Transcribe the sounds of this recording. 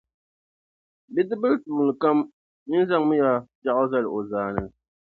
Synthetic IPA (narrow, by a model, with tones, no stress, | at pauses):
bi˦dɨ˦bɨ˦ltuː˨nɨ˨ka˦m | nɨ˦n˦za˦ŋmɨ˦ja˦d͡ʒa˦˨ʔʊ˦za˦lɨ˨o˨zaː˨nɨ˦˨